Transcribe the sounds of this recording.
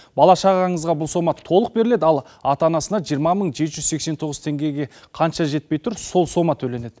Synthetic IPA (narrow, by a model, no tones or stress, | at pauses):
bɑlˠɑʃɑʁɑɴəzʁɑbʊlˠso̞mɑt̪ʰo̞lˠəq̚be̞ɾɪle̞d̪ɪɑlˠ | ɑt̪ɑnɑsənɑʒijəɾmɑməɴʒe̞t̪ʒʏzse̞kse̞nt̪ʰo̞ʁəzt̪ʰe̞ŋɡʲeɡʲe̞ | qʰɑnʃɑʒe̞t̪̚pe̞jt̪ʰʊɾso̞lˠso̞mɑt̪ʰɵle̞ne̞d̪ɪ